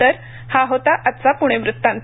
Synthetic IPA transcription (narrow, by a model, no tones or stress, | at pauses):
əɾ | haɦot̪aʔat̪ːt͡sapuɽ̃eʋɾut̪ːãnt̪